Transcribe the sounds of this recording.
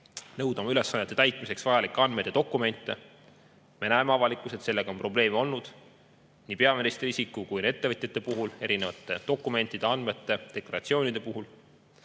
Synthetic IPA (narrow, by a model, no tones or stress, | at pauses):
nɤwd̪̥ɑmɑyle̞sːɑnːet̪ːˑe̞t̪æjt̪ˑmise̞ksvɑjɑlikːˑeɑnd̪met̪et̪o̞kˑːume̞nʲt̪ːˑe̞ | me̞næemeɑvɑlikːˑuse̞t̪se̞lːe̞ɡ̥ɑo̞mpro̞b̥le̞ːmeo̞lnud̪̥ | niːpe̞ɑminist̪risikːˑukujne̞t̪ːe̞vɤt̪ʲjet̪ːe̞puɦule̞ɾine̞vɑt̪ːˑe̞d̪̥o̞kːˑume̞nt̪ːˑid̪̥eɑnme̞t̪ːˑe̞d̪̥e̞klɑɾɑt̪sio̞ːnʲid̪̥e̞puɦul